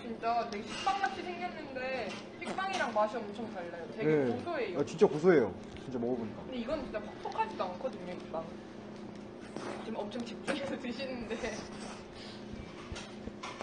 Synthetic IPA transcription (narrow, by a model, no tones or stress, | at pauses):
t͡ɕint͡ɕ͈atwe̞ɡeɕʰik̚p͈aŋmat͡ɕʰisʰe̞ŋɡʌnːɯnde̞ | ɕʰik̚p͈aŋiɾaŋmaɕʰʌʌmt͡ɕʰʌŋtaɭːajotwe̞nɡekosʰoe̞joat͡ɕint͡ɕ͈akus̬ʰoe̞jo̰ | t͡ɕint͡ɕ͈amʌɡʌboɲik͈aɯndeiɡʌnt͡ɕint͡ɕ͈apʰok̚t͈ʰokʰad͡ʑidoankʰʌdɯɲoik̚p͈aŋ | t͡ɕomʌmt͡ɕʰʌŋt͡ɕip̚t͡ɕ͈uŋesʰʌtɯɕʰinɯnde